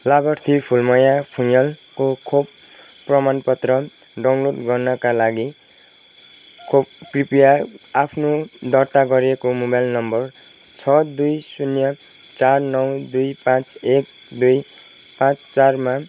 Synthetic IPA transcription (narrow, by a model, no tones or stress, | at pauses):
labʌrt̪ʰipʰulmʌjapʰujʌlkokʰobprʌmanpʌt̪rʌ | ɖawnloɖɡʌrnʌkalaɡi | kʰobkripijaapʰnod̪ʌrt̪aɡʌɾekomobajlnʌmbʌrt͡sʰʌd̪ujsunjʌt͡sarnʌwd̪ujpãt͡sekd̪ujpãt͡st͡sarma